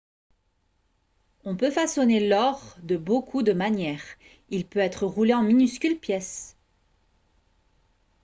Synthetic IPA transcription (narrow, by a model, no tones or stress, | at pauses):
ɔ̃pøfasɔnelɔʁd̪əbokʰud̪əmanjɛːʁ | ilpøɛt̪χəʁuleɑ̃minyskʲylpjɛs